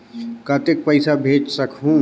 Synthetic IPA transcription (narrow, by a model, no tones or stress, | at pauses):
kaːt̪ek̚pɐɪsabʱeːd͡ʒsɐkɦũ